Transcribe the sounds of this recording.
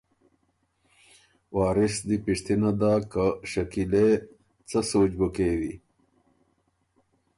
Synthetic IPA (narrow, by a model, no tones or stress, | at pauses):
wɑːɾisd̪ipiʂt̪inad̪aːkaʃɐkile | t͡səsoːt͡ʃbəkewi